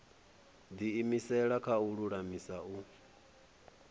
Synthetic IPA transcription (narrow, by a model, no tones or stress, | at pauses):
d̪iːmisɛɺakʰauɺuɺamisau